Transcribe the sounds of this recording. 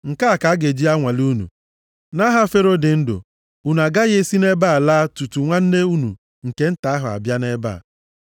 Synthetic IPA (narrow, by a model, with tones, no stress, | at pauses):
ŋ̩˨ka˦a˨ka˨a˦ɡe˨d͡ʒi˦a˦ŋʷa˨lu˦nṵ˨ | na˦ɦa˦fe˦ɾo˦dɪ˨n̩˦dʊ̰˨ | u˨n˨a˨ɡa˦ɣɪ˦e˦si˦ne˦baː˦˨la˦tu˨tu˨ŋʷa˦n̩˦ne˦u˦nṵ˨ | ŋ̩˨ke˦n̩˦ta˨˦ɦʊ˨a̰˨bja˦ne˦ba̰ː˦˨